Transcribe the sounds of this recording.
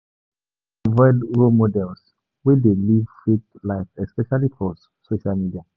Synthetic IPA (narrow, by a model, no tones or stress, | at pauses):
vɔɪdɹomodɛls | wedelivfitlaɪfɛspɛʃalipʰɔs | soʃalmidia